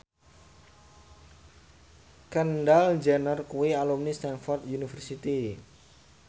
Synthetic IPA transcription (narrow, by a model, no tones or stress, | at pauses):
kənɖald͡ʒɛnərkuwialumnist̪anfɔrt̪junifərsit̪i